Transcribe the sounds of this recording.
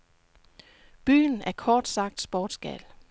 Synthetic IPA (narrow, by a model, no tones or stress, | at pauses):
b̥y̰ːnæɐkʰɒːd̥sɑ̈ɡ̥̚d̥sb̥ɒːd̥sɡ̥æ̰l